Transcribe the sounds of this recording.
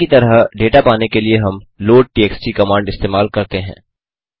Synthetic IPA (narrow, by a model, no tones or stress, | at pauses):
it̪ɐɾəɦɖeːʈapaːnekelieɦɐmloːɖ̚ʈiːeːksʈikɐmãːɳɖɪst̪eːmaːlkɐɾt̪eɦɛ̰̃ː